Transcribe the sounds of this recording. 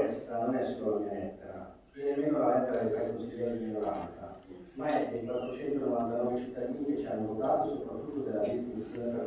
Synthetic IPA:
ɛst̪anonɛsːololamelɛt̪ːeɾa̰ | vjɛːnemenoalɛt̪ːeɾad̪ifaɾikonsid̪ːɛːɾodiminoɾa̰nt̪sa̰ | maɛeikwat̪ːɾot͡ʃɛnt̪onovant̪anɔvet͡ʃit̪ːad̪iːnet͡ʃianːovot̪aːt̪osopɾat̪ːut̪ːod̪elːad̪isnisonepa

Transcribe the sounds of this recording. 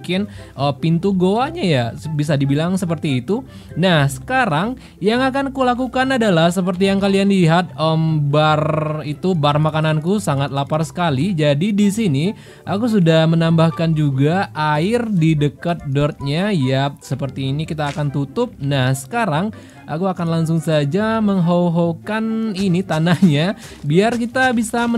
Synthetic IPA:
kɪnʔəpint̪uɡoaɲajabis̬adibilaŋsəp̬ərt̪iːt̪u | nahsə̥kaɾaŋ | jaŋakankulakukanadalahsəp̬ərt̪̬ijaŋkalianliɦat̪̚əmbarit̪ubarmakanankusaŋat̪̚laparsə̥kalid͡ʒadidisini | ʔakus̬udahmənambahkand͡ʒuɡaʔaɪrdidəkət̪̚dɔrt̪̚ɲajap̚səpərt̪iːnikit̪aːkant̪ut̪ʊp̚nahsə̥kaɾaŋ | ʔa̰kuakanlaŋs̬ʊŋsad͡ʒaməŋɦoɦokaninit̪anahɲa | biarkit̪abisamə

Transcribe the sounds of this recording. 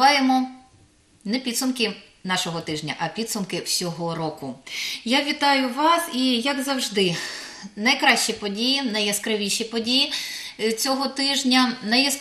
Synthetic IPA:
ɑjemɔ | nɛpʲid̪sʊmkɪ | nɑʃɔɦɔt̪ɪʒnʲɐ̰ʔɐpʲid̪sʊmkɪwsʲɔɦɔɾɔkʊjaʋʲit̪ɑjʊʋɑsijɐɡzɐwʒd̪ɪnɐjkɾɑʃt͡ʃipɔdʲijinɐjɐskɾɪʋʲiʃʲipɔdʲijit͡sʲɔɦɔt̪ɪʒnʲɐnɐjɐs

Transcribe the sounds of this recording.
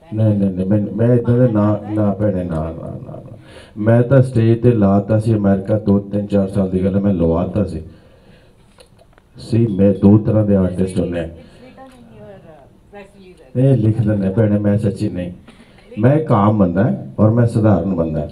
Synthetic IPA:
neinẽnə̃ːmɛ̃ːmɛ̃ːɪd̪ãːd̪eːnãːnãːpɛːɽeːnãːnã̰ːnã̰ːnã̰ːmɛ̃ːt̪ãːsʈeːʈ̚d̪eːlaːt̪aːsiːəmɛːɾɪkaːd̪oːt̪ɪnt͡ʃaːɾsaːld̪iːɡəlːmɛ̃ːloːaːt̪ãːsiː | siːmɛ̃ːd̪oːt̪əɾãːd̪eːaːʈ̪eːstʊlːeaː | nelɪkʰd̪ə̃ːnẽːpɛːɽ̃ẽːmɛ̃ːsəʃiːnəĩː | mɛ̃ːkaːmːənd̪aːɦɛ̃ːɔːɾmɛ̃ːsəd̪aːɾənbənd̪ã̰ː

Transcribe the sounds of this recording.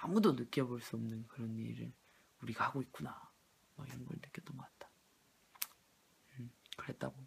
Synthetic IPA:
amudonɯk͈jʌboɭs͈uʌmnɯnkɯɾʌnḭɾɯ̰ɭ | uɾiɡahaɡoit̚k͈una | ma̰ɡiɾʌnɡʌ̰ɭnɯk͈jʌt͈ʌnɡʌk͈at̚t͈ḁ | ɯkɯɾe̞t̚t͈aɡo

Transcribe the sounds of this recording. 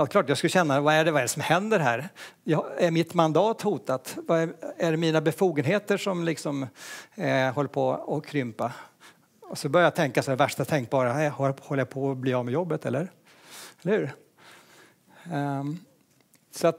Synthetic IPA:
ɛlt̪kʰlɑːʈjɑɡskɵlːəɕɛnːavaæɖɛvaɛɾsɔmhɛnd̪əɾɦæːɾjɑæɾmɪt̪mand̪ɑːt̪huːt̪at̪vaɛæɖɛmiːnabɛfuːɡənɦeːt̪əʂɔmlɪksɔm | hɔlːəɾpʰɔɔkʰɾʏmpa | ɔsɔbœɾjajat̪ʰɛŋkasɛd̪ɛvæʂʈat̪ʰɛŋk̚bɑːɾahhɔlːəjapʰɔbliːjɑmɛjɔbːət̪ʰɛlːəɾ | ɛlːəhʉ̟ːɾ | sat̪

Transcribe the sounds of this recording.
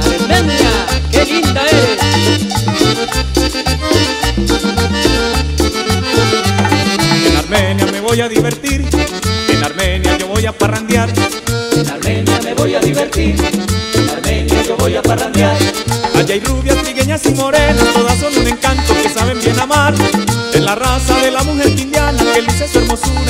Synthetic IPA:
aɾmenjakelind̪aes | enaɾmenjame̞βo̞jaðiβeɾt̪iɾ | enaɾme̞njaʝo̞βo̞japarand̪jaɾ | enaɾmenjameβojaðiβeɾt̪iɾenaɾmenjaʝoβojaparand̪jaɾaʝajruβjast̪ɾiɣe̞ɲasimo̞ɾe̞nast̪o̞ðasːo̞nunẽ̞ŋkant̪o̞ke̞saβe̞mbje̞namaɾezlarasaðe̞lamuxe̞ɾkĩnd̪janakelisesue̞ɾmo̞suɾa

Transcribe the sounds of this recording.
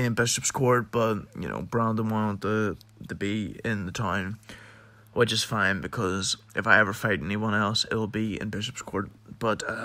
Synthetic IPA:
ɨ̃nbɪʃəpskʰɔɹt̚b̥ʌt̚jɨ̰no̰ʊbɹãndə̃nwɑ̃nətʰə | təbiɪ̃nðətʰãɪ̃m | wɪd͡ʒʌstfãɪ̃nbɨkʰʌzʔɨfaɪɛvə˞faɪɾɛniwʌ̃nɛlˠsɪ̰tl̩ˠbiɪ̰̃nbɪʃə̥pskʰɔɹt̚b̥ʌt

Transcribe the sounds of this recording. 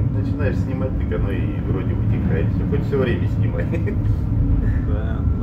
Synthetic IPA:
nət͡ɕɪnajɪʂsʲnʲɪmat̚ʲt̪ɨkʲɐnoḭvɾo̞dʲɪvʊtʲɪkajɪt̪sʲoxot̪fsʲovɾʲemʲəsʲnʲɪma̰t | d̪a

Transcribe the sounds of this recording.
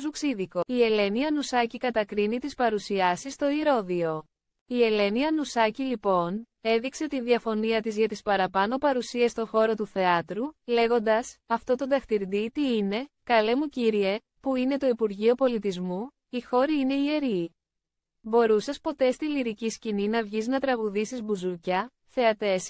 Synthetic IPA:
zuksiðiko̞ie̞le̞niɐnusɐcikɐt̪ɐkɾinit̪ispɐɾusiɐsist̪o̞iɾo̞ðio̞ | ie̞le̞niɐnusɐcilipo̞ne̞ðikse̞ot̪inðiɐfo̞niɐt̪izʝɐt̪ispɐɾɐpɐno̞pɐɾusiest̪o̞xo̞ɾo̞t̪uθe̞ɐt̪ɾule̞ɣo̞nd̪ɐsɐft̪o̞t̪o̞nd̪ɐxt̪iɾd̪it̪iine̞kɐle̞muciɾie̞ | puine̞t̪o̞ipuɾʝio̞po̞lit̪izmu | ixo̞ɾiine̞ie̞ɾi | bo̞ɾusɐspo̞t̪e̞st̪iliɾiciscininɐvʝiznɐt̪ɾɐɣuðisizbuzucɐ | θe̞ɐt̪e̞s

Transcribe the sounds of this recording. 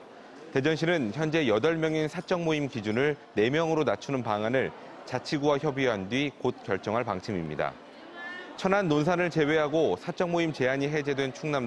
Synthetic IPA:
te̞d͡ʑʌnɕʰinɯnçjʌnd͡ʑe̞jʌdʌɭmjʌŋinsʰat͡ɕ͈ʌŋmoimkid͡ʑunɯɭne̞mjʌŋɯɾonat͡ɕʰunɯnpaŋanɯɭ | t͡ɕat͡ɕʰiɡuwaçjʌbiɦandɥikot̚k͈jʌɭt͡ɕ͈ʌŋɦaɭpaŋt͡ɕʰimimɲḭda̰ | t͡ɕʰʌnanːons̬ʰanɯɭt͡ɕe̞we̞ɦaɡosʰat͡ɕ͈ʌŋmoimt͡ɕe̞aɲiɦe̞d͡ʑe̞dwe̞nt͡ɕʰuŋnam

